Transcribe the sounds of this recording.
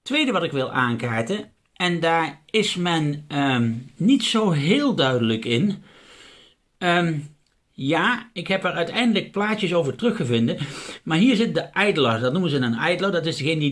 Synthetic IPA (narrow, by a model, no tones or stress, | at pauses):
tːʋejdəʋɑtɪkʋɪlˠaːŋkaːɹtə | ɛndaːɹɪsmɛnəmːitsowɦɪːlˠdœɥdələkɪn | əm | jaːɪkɦɛpɛɹœɥtɛjndələk̚plaːtjəsowvəɹtrɵxəvɪndəmaːɹɦiːɹzɪt̚dəʔɛjdlɔsdɑtnumənzənənɛjdlodɑtɪzdəɣejnədi